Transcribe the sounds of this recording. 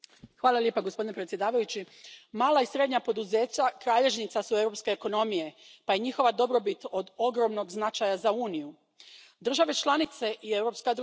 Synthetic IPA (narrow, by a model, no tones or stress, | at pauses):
xʋaːlˠalje̞paɡospo̞d̪inepɾet̪sje̞d̪aːʋajut͡ɕi | maːlˠaisɾe̞d̪ɲapo̞d̪uze̞ːt͡ɕakɾaːʎe̞ʒnit̪sasue̞wɾo̞pskeːko̞no̞mije̞ | paje̞ɲixo̞ʋad̪o̞bɾo̞bit̪o̞d̪o̞ɡɾo̞mno̞ɡznat͡ʃajazauːniju | d̪r̩ʒaʋe̞t͡ʃlˠanit̪se̞ʔiewɾo̞pskad̪ɾ